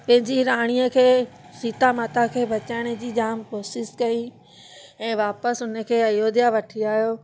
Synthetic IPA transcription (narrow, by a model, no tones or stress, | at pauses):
pɐ̃ɦɪ̃ɲd͡ʑiɾaːɽ̃ijəkʰeː | siːt̪amaːt̪ʰakʰeːbʱɐt͡ɕaːɪɽ̃ed͡ʑiːd͡ʑaːmkoːsɪskɐi | ɛ̃ːʋaːpəsʊnə̆kʰeːɐjoːd̪ijaʋɐʈʰiaːɦijoː